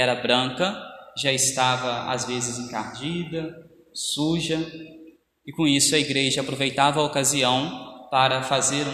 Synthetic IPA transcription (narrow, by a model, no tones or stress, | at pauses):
ɛɾɐbɾɐ̃kɐʒaɪst̪avɐa̰zvezɪzẽkaɾd͡ʒid̪ɐ | suʒɐ | ɪkõisʊɐiɡɾeʒɐapɾovejt̪avɐokaziɐ̃w̃paɾɐfazeɾ